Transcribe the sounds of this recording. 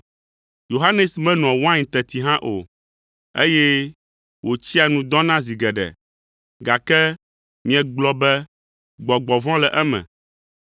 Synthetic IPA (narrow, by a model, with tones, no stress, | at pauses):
jo˨ɦa˦nɛ˨smɛ̃˦nɔ̃˨wã˦ɲĩ˨t̪ɛ˨t̪i˨ɦã˦ʔo̰˨ | ḛ˦jɛ˦ | wo˨t͡ɕi˦a˨nũ˨d̪ɔ̃˦nã˦zi˨ɡɛ˨ɖɛ̰˨ | ɡa˨kɛ˦ | mĩ˨ɛ̃˨ɡ͡blɔ˦bɛ˦ | ɡ͡bɔ˨ɡ͡bɔ˨vɔ̃˦lɛ˨ʔɛ˦mɛ̰̃˨